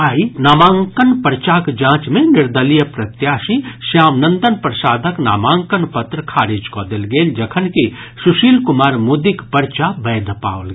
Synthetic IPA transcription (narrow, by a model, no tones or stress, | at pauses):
aːinaːmãːŋkənpəɾt͡ʃakd͡ʒãːt͡ʃmẽnɪɾd̪əlijəpɾɐt̪jaːʃiʃjaːmnə̃nd̪ənpɾɐsaːd̪ʱəkna̰ːmãːŋkənpɐt̪ɾkʰaːɾiːd͡ʒkod̪elɡeːld͡ʒɐkʰənkisʊʃiːlkʊmaːɾmud̪ikpəɾt͡ʃabɛːd̪pa̰ːʋəlɡe